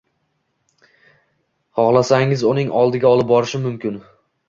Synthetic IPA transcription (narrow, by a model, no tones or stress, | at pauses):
χɒχlˠasaŋʲɪzʊnɪŋɒlˠd̪ɪɡʲaɒlˠɪp̚bɒɾɪʃɪmʊmkʲɪn